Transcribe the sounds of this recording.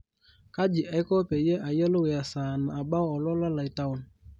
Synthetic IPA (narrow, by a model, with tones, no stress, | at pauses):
ka˦d͡ʒi˨ʔɛ˦kɔ˦pe˨je˦ʔa˨jə˦lo˦we˨a˨saː˨na˨a˨ba˦ɔ˨lɔ˦la˦la˨i˨ta˦ʊ˨n˨